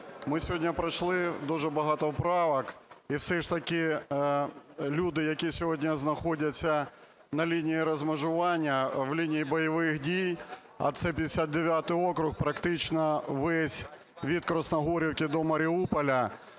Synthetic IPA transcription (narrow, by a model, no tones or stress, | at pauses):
mɪsʲɔɦdʲnʲɐpɾɐʃlˠɪd̪uʒɛbɐɦɑt̪ɔwpɾɑʋɐkiwsɛʃt̪ɐkʲɪ | lʲud̪ɪjɐkʲisʲɔɦɔdʲnʲɐznɐxodʲɐt͡sʲːɐ | nɐlʲinʲijiɾɐzmɐʒʊʋɑnʲːɐʋlʲinʲijibɔjɐʋɪxdʲij | ɐ̰t̪sɛpʲid̪ʲɪsʲad̪̚d̪eʋʲjat̪ɪjokɾʊxpɾɐkt̪ɪt͡ʃnɐʋɛsʲ | ʋʲit̪̚kɾɔsnɐɦɔɾʲiwkʲɪd̪ɔmɐɾʲɪupɐlʲɐ